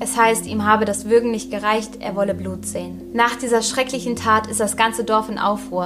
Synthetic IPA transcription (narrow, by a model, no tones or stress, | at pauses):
ʔɛshaɪstʔiːmɦaːbədasv̥ʏɐɡŋ̩nɪçt̚ɡ̥əʁaɪçtʔḛːɐvɔləbluːtz̥eːən | naːχd̥iːzɐʃʁ̥ɛklɪçn̩tʰaːtɪstd̥asɡ̥ant͡sədɔɐfɪnʔa̰ʊfʁ̥uːɐ